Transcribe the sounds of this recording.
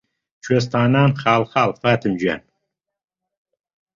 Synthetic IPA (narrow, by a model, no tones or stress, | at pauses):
t͡ʃʰes̬t̪aːnaːnxaːlxaːlfaːt̪ʰɨmd͡ʒɥa̰n